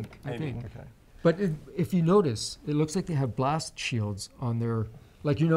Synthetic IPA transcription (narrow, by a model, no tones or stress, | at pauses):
ŋkaɪθɪ̃ŋk | b̥ʌɾɪɪfjɨnoʊɾɨsɨtˡlʊkslaɪk̚ðeɪɨvblæstʃilˠdz̥n̩ðə˞laɪkjɨno